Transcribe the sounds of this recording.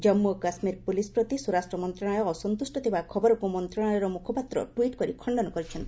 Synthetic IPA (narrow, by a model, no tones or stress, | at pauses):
d͡ʒɔmːukasmiɾpulispɾɔt̪isuɾasʈɾɔmɔnt̪ɾaɽ̃ajɔːsɔnt̪usʈɔt̪ʰibakʰɔbɔɾɔkumɔnt̪ɾaɽ̃ajɔɾɔmukʰɔpat̪ɾɔ̰ʈwiʈkɔɾikʰɔɳɖɔnɔkɔɾit͡ʃʰɔnt̪i